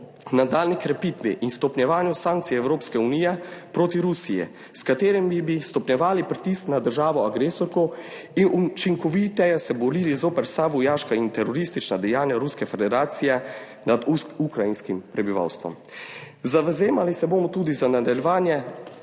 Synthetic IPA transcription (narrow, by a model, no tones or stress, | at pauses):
nad̪aːlnikɾɛpiːt̪ʋḭʔinst̪ɔpnʲɛʋaːnjusãŋk̚t̪sijɛwɾoːpskɛuniːjɛpɾoːt̪iɾusijɛ̰ | skat̪eːɾɛmibist̪ɔpnjɛʋaːlipɾit̪isknad̪əɾʒaːʋɔaɡɾeːsɔɾkɔw | inut͡ʃiŋkɔʋit̪ɛjɛsɛbɔɾiːlizoːpɛɾsaʋujaːʃkaint̪ɛɾɔɾist̪it͡ʃnad̪ɛjaːnjaɾuskɛfɛd̪ɛɾaːt̪sijɛ | nad̪ukɾajinskimpɾɛbiʋa̰wst̪ʋɔ̰m | zaʋɛzeːmalisɛboːmɔt̪uːd̪izanad̪aljɛʋaːnjɛ